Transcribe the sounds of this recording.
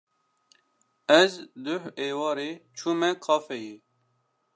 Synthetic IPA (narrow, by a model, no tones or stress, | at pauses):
ɛzd̪ʊheːwɑːɾeːt͡ʃʰuːmɛkʰɑːfɛje